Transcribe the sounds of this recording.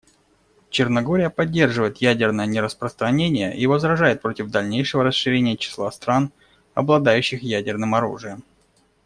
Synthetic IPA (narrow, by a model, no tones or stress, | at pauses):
t͡ɕɪrnɐɡo̞ɾʲɪjəpɐdʲːe̞rʐɨvəjɪt̪jædʲɪrnəjənʲɪɾəspɾəst̪ɾɐnʲenʲɪjəʔivəzɾɐʐajɪt̪̚pɾo̞tʲɪvd̪ɐlʲnʲejʂɨvəɾəsʂɨɾʲenʲɪjət͡ɕɪ̥slˠast̪ɾan | ɐ̰blˠɐd̪ajʉɕːɪxjædʲɪrnɨmɐɾṵʐɨjəm